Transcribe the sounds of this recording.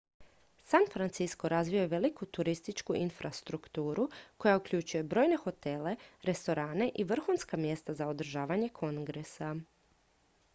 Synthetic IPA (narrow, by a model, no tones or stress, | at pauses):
sanfɾant̪sisko̞ɾazʋiojeʋe̞likut̪uɾist̪it͡ʃkuʔinfɾast̪ɾukt̪uːɾuko̞jaukʎʲut͡ɕuje̞bɾo̞ːjne̞xo̞t̪e̞le̞ɾe̞st̪o̞ɾaːne̞ʔiʋr̩xunskamje̞st̪azaod̪r̩ʒaːʋaɲe̞kʰo̞ŋɡɾe̞sa